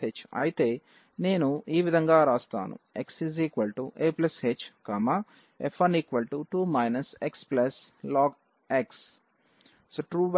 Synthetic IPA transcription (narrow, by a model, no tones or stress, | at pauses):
et͡ʃɐ̰jit̪e̞ː | ne̞ːnuiːʋid̪ʱɐŋɡaːɾaːst̪a̰ːnṵeksiziːkʋɐlʈuʔeːplɐshet͡ʃkɐma | efʰɐniːkʋɐlʈuʈuːmɐjnɐseksplɐslɔːɡ | eks | soʈɾuːʋ